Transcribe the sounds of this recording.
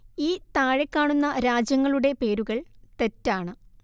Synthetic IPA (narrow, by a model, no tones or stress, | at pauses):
iːt̪aːɻe̞kːaːɳunːɐɾaːd͡ʑjɐŋːɐɭuɽe̞pe̞ːɾuɣɐɭt̪e̞tːaːɳɨ